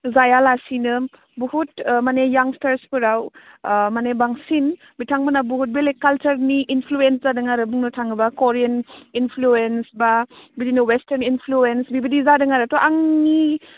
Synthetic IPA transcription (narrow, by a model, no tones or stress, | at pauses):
zajalasinɯ | buhutmanejaŋstaɾspʰuɾawmanebaŋsin | bitʰaŋbɯnabuɦut̚belekalt͡ʃɐɾniʔːnpʰluenszadɯŋaɾɯbuŋnɯtʰaŋɯbakoɾianinpʰluensbabidinuwesteɾninpʰluensbibidizadɯŋaɾatɔʔaŋni